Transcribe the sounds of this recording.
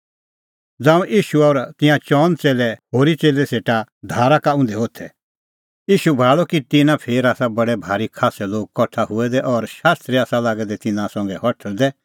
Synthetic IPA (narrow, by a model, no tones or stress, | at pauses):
d͡zãːũʔiːʃuɔːɾt̪ɪ̃jãt͡ʃɔːnt͡seːlɛɦoːɾit͡seːlɛseːʈad̪ʱaːɾakaʊ̃nd̪ɛoːt̪ʰɛ | iːʃubʱaːɭɔkit̪ɪnãpʰeːɾaːsabɐɽɛbʱaːɾikʰaːsɛloːɡ̚kɔʈʰaɦʊɛd̪ɛʔɔɾʃaːst̪ɾiaːsalaːɡɛd̪ɛt̪ɪnãsɔ̃ŋɡɛhɔʈʰəld̪ɛ